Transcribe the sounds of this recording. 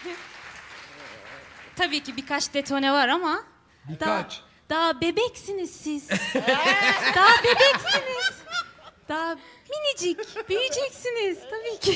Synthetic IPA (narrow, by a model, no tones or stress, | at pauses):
t̪ʰabiːcibikʰat͡ʃd̪et̪ʰo̞nɛvaɾama | d̪at͡ʃ | d̪̥aɦabebɛcsiniz̥siz̥ | d̪aɦabebɛcsiniz̥d̪̥aɦminid͡ʒicbijid͡ʒɛcsiniz̥t̪ʰabiːcʰi